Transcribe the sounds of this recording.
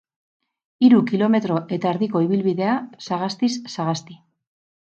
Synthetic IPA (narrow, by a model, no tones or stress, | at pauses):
iɾukilo̞me̞t̪ɾo̞ʔe̞t̪aeɾðiko̞iβ̞ilβiðe̞asaɣ̞ast̪isːaɣast̪i